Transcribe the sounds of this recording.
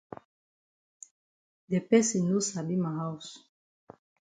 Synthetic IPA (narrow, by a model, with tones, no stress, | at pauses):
d̪e˨pɛ˦si˨nu˦sa˨bi˦ma˨ɦawsu̥